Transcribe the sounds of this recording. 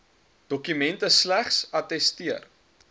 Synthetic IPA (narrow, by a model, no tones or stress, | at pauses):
d̥ɔkymɛntəslæχsɐtɛstiər